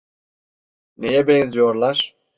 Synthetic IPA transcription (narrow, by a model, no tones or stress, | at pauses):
nejɛbɛnzijoɾlˠaɾ̥